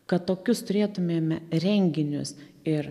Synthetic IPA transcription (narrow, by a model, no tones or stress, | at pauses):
kɐt̪t̪ːoːkʲʊst̪ʊɾʲeːt̪ʊmʲeːmʲɾʲɛŋʲɡʲɪnʲʊ̰s | ɪɾ